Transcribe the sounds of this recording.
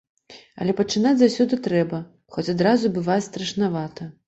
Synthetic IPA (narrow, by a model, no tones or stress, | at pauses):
ɐ̰lʲɛpɐt͡ʂɨnad͡zʲzawsʲɔd̪ɨt̪ɾɛbɐ | xɔt͡sʲad̪ɾazubɨvat͡sʲst̪ɾɐʂnavat̪ɐ